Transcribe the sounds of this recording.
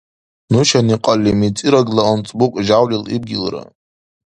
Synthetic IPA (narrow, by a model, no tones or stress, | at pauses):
nuʃaniqʼalʲimit͡sʼiɾaɡlaont͡sʼbukʷʼʒawlilḭb̚ɡʲɪlra̰